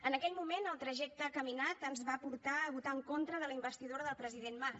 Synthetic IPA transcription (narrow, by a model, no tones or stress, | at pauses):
ənəkɛlmumenəlˠt̪ɾəʒɛk̚t̪əkəminat̪ənzβapuɾt̪aβut̪aəŋkont̪ɾəðələimbəst̪iðoɾəðəlˠpɾəziðenma